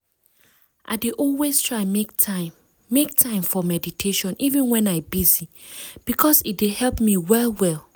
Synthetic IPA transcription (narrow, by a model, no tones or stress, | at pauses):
ʔa̰ɪdeʔɔlwestʰɹaɪmektʰaː | ek̚tʰãɪ̃mfɔmɛditʰeʃɔ̃nivɛ̃nwɛ̃naɪbizi | b̥ikʰɔsit̚dehɛlˠpmiwɛlwɛlˠ